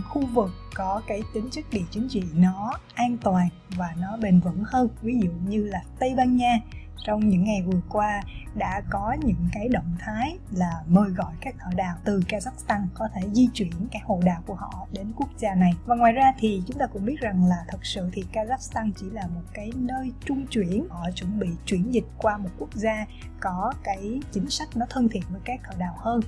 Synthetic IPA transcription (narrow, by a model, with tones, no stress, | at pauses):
ŋxu˧vɨ˨˩kːɔ˨˦kaː˨˦jt̪ï˨˦ŋ̟t͡ɕɨ˦˥k̚ɗḭ˧˩t͡ɕï˨˦ŋ̟t͡ɕḭ˧˨nɔ˨˦ʔaː˧nt̪waː˨˩n | vaː˨˩nɔ˨˦ɓe˨˩nvə̰˧˥nhəː˧nvi˨˦zṵ˧˨ɲɨ˧laː˨˩t̪ə˧jɓaː˧nɲaː˧ | t͡ɕɔ˧wŋ͡mɲɨ̰˧˥ŋːa˨˩jvɨ˨˩əkwaː˧ɗa̰ː˧˥kɔ˨˦ɲɨ̰˧˥ŋkaː˨˦jɗə̰˧˨wŋ͡mt̪ʰaː˨˦j | laː˨˩məː˨˩jɣɔ̰˧˨jkaː˦˥k̚t̪ʰəː˧˩ɗa̰ː˧˨wt̪ɨ˨˩kaː˧zaː˦˥k̚st̪a˧ŋkɔ˨˦t̪ʰe˧˩zi˧t͡ɕwi˧˩ənkaː˨˦˥k̚ho̰˧˨ɗa̰ː˨wku˧˩əhɔ̰˧˨ɗe˨˦nku˦˥ək̚zaː˧na˨˩jvaː˨˩ŋwaː˨jzaː˧t̪ʰi˨˩t͡ɕʊ˨˦ŋ͡mt̪aː˧kʊ̰˧˥ŋ͡mɓi˦˥t̚za˨˩ŋlaː˨˩t̪ʰə˨˩k̚sɨ̰˧˨t̪ʰi˨˩kaː˧zaː˦˥k̚st̪aː˧nt͡ɕi˧˩laː˨˩mo˨˩t̚kaː˨˦jnəː˧jt͡ɕʊ˧ŋ͡mt͡ɕwi˧˩ənhɔ̰˧˨t͡ɕwə˧˩nɓḭ˧˨t͡ɕwi˧˩ənzï˨˩k̟̚kwaː˧mo˨˩t̚ku˦˥ək̚zaː˧ | kɔ˨˦kaː˨˦jt͡ɕï˨˦ŋ̟sa˦˥jk̟̚nɔ˨˦t̪ʰə˧nt̪ʰḭ˧˨ənvəː˨˦jkaː˦˥k̚t̪ʰəː˧˩ɗaː˧˨whəː˧n